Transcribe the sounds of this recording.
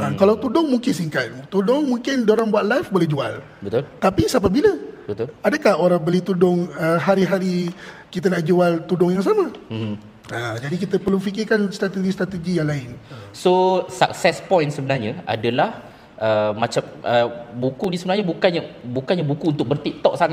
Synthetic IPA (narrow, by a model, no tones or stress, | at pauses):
akalawt̪udʊŋmuŋkɪnsiŋkat̪̚t̪udɔŋmuŋkɪndoɾaŋbuat̪̚lajfbolɛhd͡ʒual | bət̪ʊlt̪apisap̬abiləbət̪ʊladəkahoɾabəlit̪udʊŋəɦaɾiɦaɾikit̪ənaʔd͡ʒualt̪udʊŋjaŋs̬amã | əd͡ʒadik̬it̪əpərlufikɪrkanst̪ɾat̪əɡist̪ɾat̪əɡijaŋlaɪnsosaksɛspɔjnsəbənarɲaa̰dalah | ʔəmãt͡ʃamʔəbukudisəbənarɲabukanabukanɲabukuːnt̪ʊk̚bərt̪iʔ̚t̪ɔʔsaŋ